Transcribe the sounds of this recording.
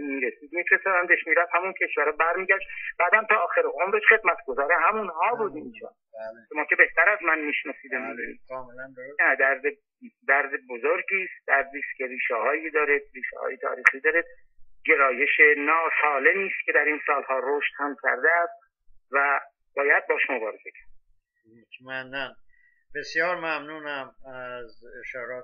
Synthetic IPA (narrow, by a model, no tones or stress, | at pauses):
miːɾesiːd̪̚miːfɾesɒːdænd̪eʃmiːɾæd̪hæmuncʲʰe̞ʃvæɾɛbæɾmiːɟæʃt̪b̥æːd̪ænt̪ʰɒːxeɾeʔomɾeʃχe̞d̪mæt̪ʰɡozɒːɾeɦæmunhɒːbuːd̪inːʃɒ̰ | ʃomɒːcʰe̞be̞ht̪æɾæzmænmiʃnɒsiːd̪emidid̪kːelnæd̪æɾd̪e | d̪æɾd̪ebozoɾɟiːst̪̚d̪̥æɾd̪iːst̪cʰe̞ɾiːʃɛhɒːjid̪ɒːɾed̪̥̚riːʃɛ̰hɒ̰ːjet̪ʰɒ̰ːɾiːxiːd̪ɒːɾed̪̚ | ɟe̞ɾɒːje̞ʃenɒːsɒːle̞miːst̪̚cʰed̪æɾiːnsɒːlhɒːɾoʃt̪hæmcʲʰæ̰ɾd̪eæst̪ | væ | b̥ɒːjæd̪̚bɒːʃmobɒːɾez̥e̞cʰæ̥ɾd̪̥̚ | utmændæn | b̥esjɒːɾmæmnuːnæmæzeʃɒːɾɒː